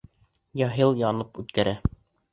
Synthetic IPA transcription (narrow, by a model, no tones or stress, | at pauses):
jɑɦɤlˠjɑnɤpʉt̪kæɾæ